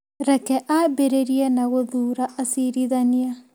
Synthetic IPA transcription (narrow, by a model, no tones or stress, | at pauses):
ɾɛkɛʔabeɾeɾiɛnaɣoðuːɾaʔasiɾiðania